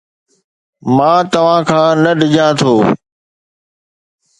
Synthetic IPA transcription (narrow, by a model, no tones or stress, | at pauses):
mãːt̪ɐʋ̤ãːkʰãːnɐɖɪd͡ʑãːt̪ʰoː